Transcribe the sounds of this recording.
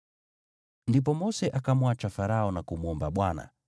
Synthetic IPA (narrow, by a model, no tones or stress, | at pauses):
ndip̬ɔmɔsɛʔakamwat͡ʃafaɾaɔnakumuɔmbaɓwana̰